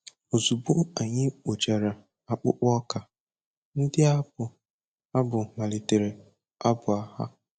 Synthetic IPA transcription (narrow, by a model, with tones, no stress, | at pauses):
o˨zu˨bo˦a˨ɲɪ˦k͡po˨t͡ʃa˨ɾa˨ | a˨k͡pʊ̰˦k͡pɔ˦ka˨ | n̩˦dɪ˦a˦ʊ˨ | a˦bʊ˨ma˨le˨te˨ɾe˨ | a˦bʊ˨a˨ha̰˦